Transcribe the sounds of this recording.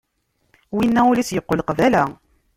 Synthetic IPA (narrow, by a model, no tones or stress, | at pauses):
winːæulisjəqːolqvælæ